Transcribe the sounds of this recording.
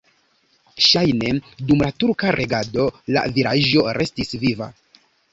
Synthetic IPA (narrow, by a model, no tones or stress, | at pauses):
ʃajne̞dumlatuɾkaɾʔe̞ɡado̞la̰viɾaʒo̞ɾʔe̞stisviva̰